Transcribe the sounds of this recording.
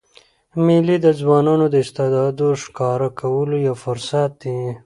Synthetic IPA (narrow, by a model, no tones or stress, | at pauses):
mɪlid̪əzwɑːnɑnod̪əɪst̪ed̪ɑd̪oʂkɑɾakʰawəlojafʊɾsat̪̚d̪i